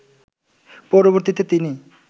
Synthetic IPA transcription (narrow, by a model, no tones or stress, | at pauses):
pɔɾoβoɾt̪it̪et̪ini